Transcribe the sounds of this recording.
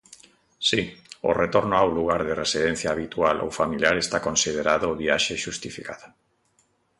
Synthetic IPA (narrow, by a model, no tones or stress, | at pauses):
sio̰ret̪oɾnoawluɣ̞aɾðeresiðẽn̟θjaːβit̪ualʔo̰wfamiljaɾest̪akonsið̞eɾaðoβiaʃeʃust̪ifikaðo